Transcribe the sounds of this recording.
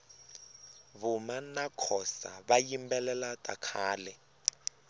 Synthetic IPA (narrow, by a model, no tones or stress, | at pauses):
βumanakʰɔsa̰βajimbɛlɛlatʼakʰaːlɛ